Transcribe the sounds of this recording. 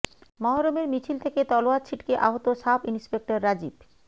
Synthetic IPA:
mɔɦaɾomeɾmit͡ɕʰilt̪ʰeket̪ɔloat͡ɕʰiʈkeʔaɦot̪oʃabinspek̚ʈoɾːad͡ʑib

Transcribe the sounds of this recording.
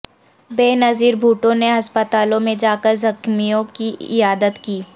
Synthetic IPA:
beːnɐziːɾbʱuːʈõneɐspət̪aːlõmẽd͡ʒaːkəɾzɐkmijõkiɪ̰jaːd̪ət̪kiː

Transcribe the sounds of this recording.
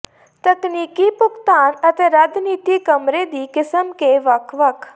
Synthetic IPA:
t̪ɐkniːkipʊkt̪aːnɐt̪ʰeːɾaːd͡ʒniːt̪ikəmɾed̪iːkɪsəmkeʋɐkʋɐk

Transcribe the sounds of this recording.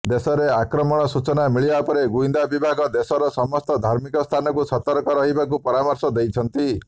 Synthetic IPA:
d̪esɔɾeakɾɔmɔɽ̃ɔsut͡ʃɔnamiɭiapɔɾeɡuind̪abibʱaɡɔd̪esɔɾɔsɔmɔst̪ɔd̪ʱaɾmikɔst̪ʰanɔkusɔt̪ɔɾkɔɾɔɦibakupɔɾamɔɾsɔd̪ejt͡ʃʰɔnt̪i

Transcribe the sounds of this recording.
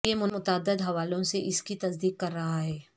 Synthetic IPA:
jemʊʊt̪aːd̪ːəd̪ɦɐʋaːlõseʔɪskit̪ɐsd̪iːkːɐɾːɐɦaɦɛː

